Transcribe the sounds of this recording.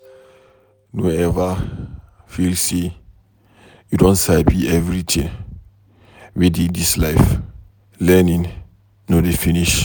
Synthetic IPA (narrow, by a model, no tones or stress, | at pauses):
noɛva | filsi | judɔ̃nsabiɛvɹitʰĩŋ | widĩndislajf | lɛnĩŋ | nodefiniʃ